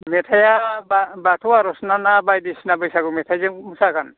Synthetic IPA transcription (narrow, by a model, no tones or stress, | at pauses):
mɛtʰajababatʰɔwaɾɔsnanabajdisinabɔjsaɡumɛtʰajzɛmusakan